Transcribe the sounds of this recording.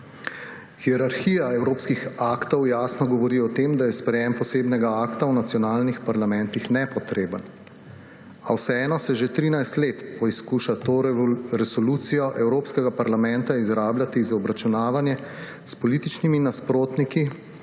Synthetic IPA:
xiɛɾaɾxiːjaɛwɾoːpskixaːkt̪ɔwjaːsnɔɡɔʋɔɾiɔt̪eːmd̪ajɛspɾɛjempɔseːbnɛɡaaːkt̪awnat̪sjɔnaːlnixpaɾlamɛnt̪ixnɛpɔt̪ɾeːbən | a̰wsɛɛːnɔsɛʒet̪ɾiːnajst̪leːt̪pʰɔiskuːʃat̪oɾɛsɔlut̪sijɔʔɛwɾoːpskɛɡapaɾlamɛ̃nt̪aizɾaːbljat̪izaɔbɾat͡ʃunaːʋanjɛ | spɔlit̪it͡ʃniminaspɾoːt̪niki

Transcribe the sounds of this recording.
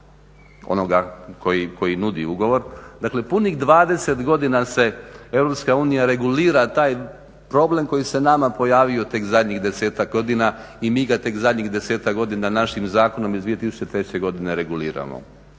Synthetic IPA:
o̰no̞ɡako̞jiko̞jinud̪ḭuɡo̞ʋo̞ɾd̪akle̞puniɣd̪ʋaːd̪e̞se̞t̪ɡo̞d̪inase̞e̞ʋɾo̞pskauːnijaɾe̞ɡuliːɾat̪aːj | pɾo̞ble̞mko̞jise̞namapo̞jaːʋio̞t̪e̞kzad̪ʲɲiɣd̪e̞seːt̪akɡo̞d̪inaimiːɡat̪e̞kzad̪ʲɲiɣd̪e̞seːt̪akɡo̞d̪inanaʃimzaːko̞no̞mizd̪ʋijet̪isu̥t͡ɕe̞t̪ɾe̞t͡ɕe̞ɡo̞d̪ineɾe̞ɡuliːɾa̰mo̰

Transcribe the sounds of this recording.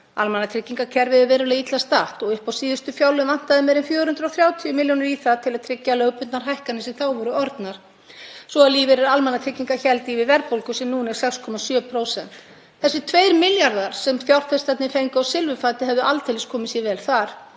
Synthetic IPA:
a̰lmɛnːat̪ʰɾɪcːiŋkacʰɛɾvɪðʏvɛːɾʏlait̪last̪aht̪ɔɣʏhpawsiːðʏst̪ʏfjawlʏvan̥t̪aðɪmɛːɾɪnfjœːɾhʏnt̪ɾawθɾjaːwt̪ʰiʏmɪljonʏɾiθaðt̪ʰɪlaðt̪ʰɾɪcːalœwpʏnt̪naɾ̥ɦajhkanɪsɛmθawvɔɾʏɔɾt̪naɾ̥ | svɔaliːvɪɾɛɾalmɛnːat̪ʰɾɪcːiŋkaçɛlt̪ivɪvɛɾpowlkʏsɛmnuːnɛɾsɛkskʰɔmasjœːpʰɾowsɛn̥t̪ | θɛsɪt̪ʰvejɾmɪljaɾðaɾ̥sɛmθjawr̥t̪fɛst̪at̪nɪfejŋkʏawsɪlvʏfaːt̪ɪɦɛvðʏʔalt̪elɪskʰɔːmɪsjɛvɛːlθaɾ̥

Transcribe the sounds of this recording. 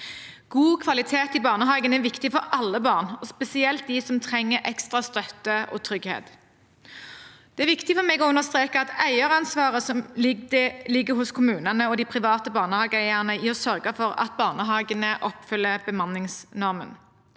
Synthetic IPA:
ɡ̥uːkʰʋɑlɪt̪ʰeːt̪ɪbɑːʁnəɦɑːɡənæʋɪkt̪ɪfɔɾɑlːəbɑːʁnɔspɛsɪɛlt̪̚d̪isɔmt̪ʰʁɛŋːəɾʔɛkst̪ʁɑst̪œt̪ːəʔɔ̰t̪ʰʁʏɡhḛːt̪ | d̪̥ɛæːʋɪkt̪ɪfɔʁmɛɡɔʉnəst̪ʁeːkəɑt̪æɪəʁɑnsʋɑːʁəsɔm | lɪɡːəhʊskʰʊmʉːnənəɔd̪iːpʰʁɪʋɑːt̪əbɑːʁnəhɑːɡəæɪæʁnəɪɔsœʁɡəfɔʁɑ̰t̪̚bɑːʁnəɦɑːɡənəʔɔpfʏlːəbəmɑnɪŋsnɔʁmə̰n

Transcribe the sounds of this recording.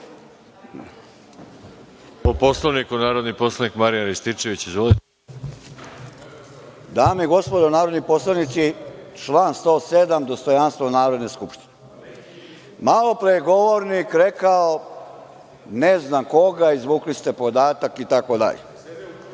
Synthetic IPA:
oposlˠaʋnikunaːɾod̪niposlˠanikmaɾijanɾist̪it͡ʃeʋit͡ɕizʋolit̪e | d̪aːmiɡo̞spod̪onaːɾo̞d̪nipo̞slˠaʋnit̪sit͡ʃlˠaːnst̪o̞ːsed̪amd̪o̞st̪o̞janst̪ʋanaːʋɾe̞d̪neskupʃt̪i̥ne | malo̞pɾeɡo̞ʋoɾnikɾekao | neznamko̞ɡaizʋuːklist̪e̞po̞d̪aːt̪akit̪ako̞d̪a̰ʎḛ

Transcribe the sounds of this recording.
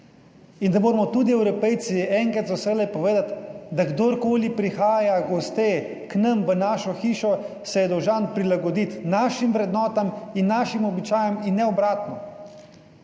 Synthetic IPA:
ind̪amoːɾmɔt̪uːd̪iɛwɾɔpɛj̪siɛːŋkɾat̪zɔsɛlɛpɔʋeːd̪at̪d̪aɡd̪oɾkoːlipɾixaːjaɡɔst̪e | knɐ̃mʋənaʃɔxiːʃɔ | sɛjɛd̪ɔwʒanpɾilaɡɔd̪it̪naːʃimʋɾɛd̪nɔːt̪aminːaʃimɔbit͡ʃaːjɛminːɛɔbɾaːt̪nɔ

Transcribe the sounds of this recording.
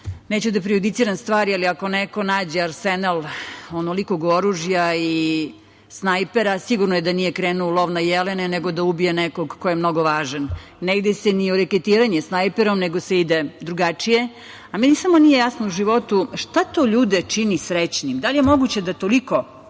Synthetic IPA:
neːt͡ɕud̪apɾiud̪it̪siːɾanst̪vʋaːɾialiako̞neko̞naːd͡ʑeaɾsenalonolikoɡoɾuʒjai | snajpeɾasiɡuɾnojed̪anijekɾeːnuolˠoʋnajeleneneɡo̞d̪aubijenekoɡkojemno̞ɡoʋaːʒanː | eid̪esenioɾeket̪iːɾaɲesnajpeɾomneɡoseid̪ed̪ɾuɡat͡ʂije̞ | amenisamo̞nije̞jasnouʒiʋo̞t̪uʂt̪at̪oʎuːd̪et͡ʂinisɾet͡ɕnimd̪alijemoɡut͡ɕe̞d̪at̪oliko̞

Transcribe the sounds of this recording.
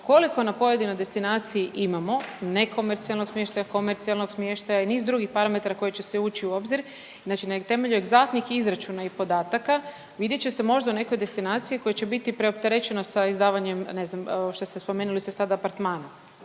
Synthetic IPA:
ko̞liko̞napo̞je̞d̪ino̞jd̪e̞st̪inaːt̪sijiʔimamo̞ne̞kʰo̞me̞ɾt̪sialno̥smje̞ʃt̪ajako̞meɾt̪sialno̞ɡsmje̞ʃt̪ajainiːzd̪ɾuɡixpaɾame̞t̪aɾako̞jet͡ɕeseuːt͡ʃiuo̞bziɾ | znaːt͡ʃinat̪e̞me̞ʎueɡzat̪nixizɾat͡ʃunaipo̞d̪aːt̪aka | ʋid̪je̞t͡ɕe̞semo̞ʒd̪aune̞ko̞jd̪e̞st̪inaːt̪sijiko̞jet͡ɕe̞bit̪ipɾeopt̪e̞ɾet͡ɕe̞no̞saizd̪aːʋaɲe̞mne̞znamʃt̪o̞st̪espo̞meːnulisesad̪aːpaɾt̪maːnom

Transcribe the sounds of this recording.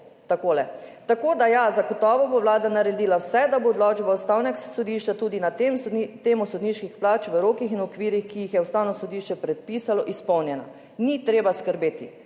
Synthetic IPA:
t̪akoːlɛt̪akoːd̪ajazaɡɔt̪ɔːʋɔboʋlaːd̪anaɾɛd̪iːlawsɛd̪aboːd̪lɔːd͡ʒbawst̪awnɛksɔd̪iʃt͡ʃat̪uːd̪inat̪mt̪eːmusɔd̪niʃkixplaːt͡ʃʋəɾoːkixinɔkʋiːɾixkijixjɛust̪awnɔsɔd̪iːʃt͡ʃɛpɾɛt̪̚piːsalɔʔispɔwnjɛna̰ | nit̪ɾeːbaskəɾbeːt̪i

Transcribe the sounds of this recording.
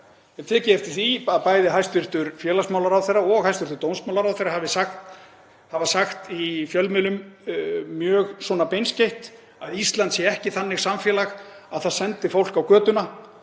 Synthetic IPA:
ɛnt̪ʰɛːcɪɛft̪ɪ̥θiaðpaːjðɪɦajst̪vʏr̥t̪ʏɾfjɛːlasmaːwlaɾawθejrːaɔɣhajst̪ʏɾ̥t̪ʏɾt̪ownsmawlaɾawθejɾahavɪsaxt̪ | havasaxt̪ifjœlmɪlʏm | mjœːɣswɔːnapejnscejht̪ | aðist̪lant̪sjɛɛhcɪθanːɪɣ̥samfjɛːlax | aðθaðsɛnt̪ɪfowl̥kawkœːt̪ʏna

